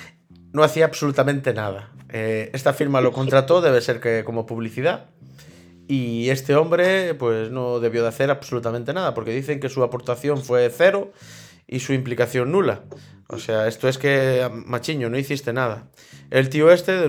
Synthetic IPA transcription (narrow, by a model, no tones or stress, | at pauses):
noaθiaːβsolut̪amẽnt̪e̞nað̞aeest̪afiɾmalo̞ko̞nt̪ɾat̪o̞ðeβ̞ese̞ɾkeko̞mopuβ̞liθiða | iest̪eo̞mbɾepwesnoðe̞βjoðaθeɾaβsolut̪amẽnt̪e̞naðapo̞ɾkeðiθe̞ŋkesuapo̞ɾt̪aθjo̞ɱfweθeɾo | isuimplikaθjo̞ŋːula | o̰seaest̪oeskemat͡ʃiɲonoiθist̪e̞nað̞a | elt̪ioe̞st̪e